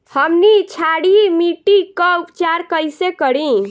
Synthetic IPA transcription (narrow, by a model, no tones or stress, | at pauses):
həmnit͡ʃʰaɽimiʈikəupt͡ʃaɾkəjsekəɽĩ